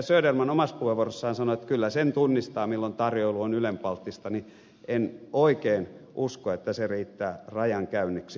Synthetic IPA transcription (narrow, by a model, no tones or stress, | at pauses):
søːdermɑnomɑspueʋorosːɑːnsɑnoet̪kylːæsent̪unːist̪ɑːmilːont̪ɑrjoiluonylempɑlt̪ːist̪ɑni | enoikeːn | ʔuskoet̪ːæseriːt̪ːæːrɑjɑŋkæynːiks